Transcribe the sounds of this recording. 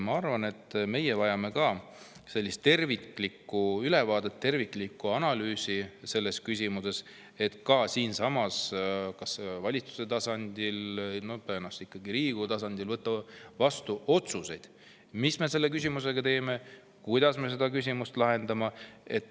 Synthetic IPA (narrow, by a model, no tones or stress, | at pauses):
mɑɑrvɑne̞t̪ːme̞jevɑjɑme̞kɑ | se̞lːist̪ːe̞rviklikːˑuylevɑːd̪̥e̞t̪ːe̞rvikˑlikːˑuɑnɑlyːsise̞lːe̞skys̬ʲimuse̞s | e̞t̪kɑsiːnsɑmɑskɑsvɑlʲit̪t͡su̥se̞t̪ɑsɑnʲd̪̥ilno̞p̪øːnɑst̪ikːɑɡiɾiːɡ̥ut̪ɑsɑnd̪̥ilvɤt̪ːˑɑvɑst̪uʔo̞t̪suse̞jd̪̥ | misme̞se̞lːe̞k̬ys̬ʲimuse̞ɡ̥ɑt̪e̞ːme̞ | kujd̪̥ɑsme̞s̬e̞d̪̥ɑkys̬ʲimust̪lɑɦe̞nd̪̥ɑmɑe̞t̪ːˑ